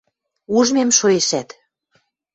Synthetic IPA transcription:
uʒmemʃojeʃæt̪

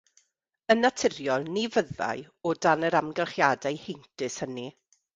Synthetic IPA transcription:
ənatʰɪrjɔlˠnivəða̰ɨ | ɔdanəɾamɡɛlˠχjaːdajhɪntɨshəni

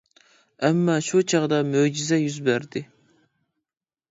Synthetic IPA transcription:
ɛmːɑʃut͡ʃʰɑʁd̪ɑmød͡ʒizɛjyzbæɾd̪ɪ

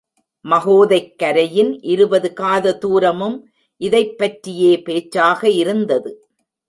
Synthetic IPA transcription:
mɐɣoːðɐɪkːɐɾɐjɪnʔɪɾɯbɐðɯkaːðɐt̪uːɾɐmɯm | ʔɪðɐɪpːɐʈrɪjeːpeːt͡ʃːaːɣɐɪɾɯnd̪ɐðɯ

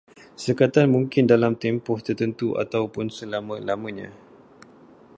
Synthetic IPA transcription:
səkat̪anmũŋkɪndalamt̪ɛmpʊht̪ərt̪ənt̪uʔa̰t̪awpʊnsəlamãlamãɲã̰

